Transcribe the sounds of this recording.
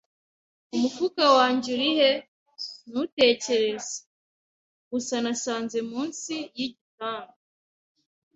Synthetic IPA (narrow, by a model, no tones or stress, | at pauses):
umufukawaːɲɟuɾihe | nute̞ːce̞ɾe̞z̥e̥ | ɡusanasaːnzemuːnsijiɟitaːŋo